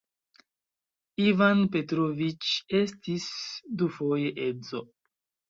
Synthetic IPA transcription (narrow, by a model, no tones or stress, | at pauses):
ivanpe̞tɾovit͡ʃe̞stisdufo̞je̞ʔe̞zo̞